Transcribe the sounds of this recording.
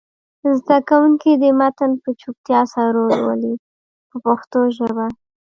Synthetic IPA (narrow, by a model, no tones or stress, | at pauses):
zd̪akawuŋkid̪əmat̪anpət͡ʃup̚t̪jɑsaɾolwə̰li | pəpaxt̪oʒəba